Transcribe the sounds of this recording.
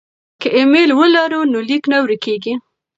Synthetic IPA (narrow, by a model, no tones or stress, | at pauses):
kəʔemelwəlaɾunoliknawɾəkeɡi